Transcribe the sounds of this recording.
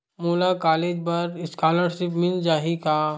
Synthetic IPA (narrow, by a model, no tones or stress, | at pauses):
moːlakaːleːd͡ʒpɐɾɪskaːləɽʃɪpmɪld͡ʒaːɦikaː